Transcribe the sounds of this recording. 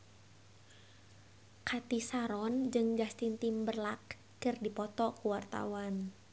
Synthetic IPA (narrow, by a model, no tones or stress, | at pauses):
kat̪isaɾɔnd͡ʒɨŋd͡ʒast̪int̪imbərlak̚ː | ɨrdipɔt̪ɔkuwart̪a̰wan